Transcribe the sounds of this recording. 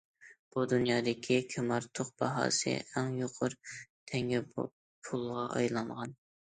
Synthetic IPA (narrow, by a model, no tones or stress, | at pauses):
b̥ud̪unjɑːd̪ɪkʲʰikʲʰømɑɾt̪ʰoqb̥ɑɦɑ̰ːsɨ̰æŋjoqʰʊɾt̪ʰɛŋɡʲɪ | pʰulˠʁɑʔɑ̰jlˠɑɴʁɑn